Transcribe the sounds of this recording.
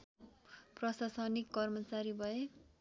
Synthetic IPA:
prʌsasʌnikːʌrmʌt͡saɾibʱʌe

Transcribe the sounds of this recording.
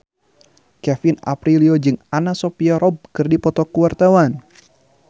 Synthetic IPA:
kɛfina̰pɾiliod͡ʒɨŋanasopiaɾɔb̚kɨrdipɔt̪ɔkuwart̪awan

